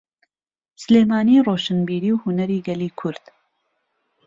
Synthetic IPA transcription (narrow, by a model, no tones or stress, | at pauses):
sɨleːmaːniːroːʃɨnbiːɾiːwhunɐɾiːɡɐliːkʰʊɾd̪̥